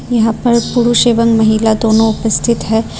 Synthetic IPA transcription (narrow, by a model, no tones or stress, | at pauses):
jɐɦãpɐɾpʊɾuʃeːʋəŋmɐɦilad̪oːnõʊpəst̪ʰɪt̪ɦɛː